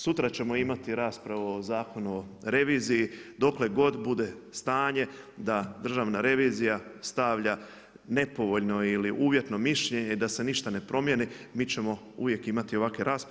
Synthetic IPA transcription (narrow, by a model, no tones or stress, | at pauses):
sut̪ɾat͡ɕe̞mo̞imat̪iɾaːspɾaʋuozaːko̞nuoɾe̞ʋiːzijid̪o̞kle̞ɡo̞d̪bud̪e̞st̪aːɲe̞d̪ad̪r̩ʒaʋnaɾe̞ʋiːzijast̪aʋʎa | ne̞po̞ʋo̞ʎno̞iliʔuːʋje̞t̪no̞miʃʎe̞ɲeid̪ase̞niʃt̪ane̞pɾʔo̞mjenimiːt͡ɕe̞mo̞ | ṵʋje̞kimat̪io̞ʋakʋeɾʔaːsp